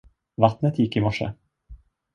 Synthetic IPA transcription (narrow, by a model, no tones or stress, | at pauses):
vat̪nət̪jɪkːɪmɔʂə̰